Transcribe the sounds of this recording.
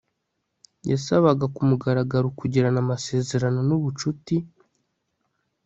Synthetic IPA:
jasaβaɡakumuɡaɾaɡaɾukuɟiɾanamase̞ːze̞ɾano̞nuβut͡ʃuti

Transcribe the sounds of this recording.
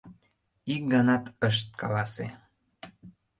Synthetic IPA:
ik̚ɡɑnɑt̪əʃ̬t̪̚kʰɑ̰lɑsḛ

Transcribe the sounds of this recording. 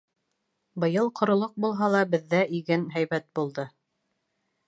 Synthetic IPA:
bɤ̆jɤlˠqʰŏɾŏlˠoq̚bulˠɦɑlˠɑbɘ̆ðːæʔiɡɘnɦæjβæt̪̚bulˠd̪ɤ

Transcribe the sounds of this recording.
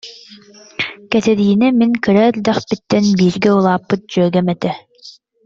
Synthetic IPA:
kɛt̪ɛɾiːnɛmiŋkɯɾɛld̪ɛχpit̪ːɛnbiːɾɡɛulˠaːpːɯt̪̚d͡ʑœːɡɛmɛt̪ɛ

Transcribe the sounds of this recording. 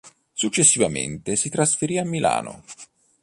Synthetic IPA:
sut͡ʃːesːivamḛnt̪esit̪ɾasfeɾiamːila̰ːno̰

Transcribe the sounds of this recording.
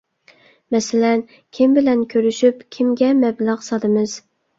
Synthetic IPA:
mɛsɪlɛn | kʲʰimbɪlɛnkʲʰøɾyʃypkʲʰimɡʲɛmɛblˠæʁsɑd̪ɨmɨz̥

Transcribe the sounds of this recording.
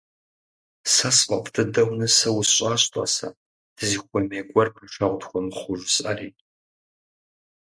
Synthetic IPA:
sɐsfʼɐpʼdʰɨdɐwnɨsɐwʊsɕʼaːɕtʷʼa̰ːsa̰ | d̥ʰɨziːχʷɔmeːɡʷɔrpʰɐʃɐʁʷdxʷɔmχʷʊʒʷɪsʼɐ̰rḭː

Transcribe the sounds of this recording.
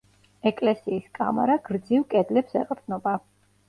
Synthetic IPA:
ɛkʼlɛsiːskʼa̰ma̰ɾaɡɾd̪ziwkʼɛd̪lɛpsɛ̰qʼɾd̪nɔba

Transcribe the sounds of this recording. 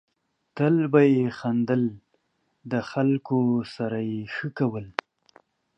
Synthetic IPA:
t̪əlbajexand̪əl | d̪əxalkosaɾajexəkawəl

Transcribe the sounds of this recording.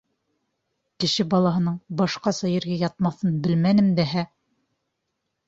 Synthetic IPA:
kɘ̆ʃɘbɑlˠɑɦɤ̆nɤɴbɑʃqɑsɑjɘ̆ɾɡæjɑt̪̚mɑθɤnbɘlmænɘ̆md̪æɦæ

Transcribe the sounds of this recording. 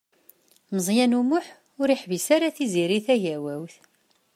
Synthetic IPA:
məzˤjænumʊħ | ʊɾiħvisaɾaθiziɾiθæʝæwæwθ

